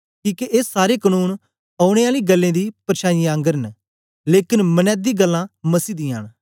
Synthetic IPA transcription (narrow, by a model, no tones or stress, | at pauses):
kiːkeʔeːsːaːɾeːkənũːn | ɐːʊɽ̃eaːliːɡəlːẽːd̪iːpəɾʃʰaːjiãːŋɡəɾən | leːkɪnmənɛːt̪̚ːiːɡəlːãːməsiːd̪ĩːa̰ːn